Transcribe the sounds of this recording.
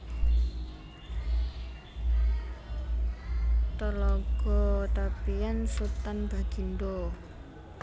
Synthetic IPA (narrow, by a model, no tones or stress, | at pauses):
t̪əlɔɡ̥ɔ̤t̪apiansut̪anb̥a̤ɡ̥inɖo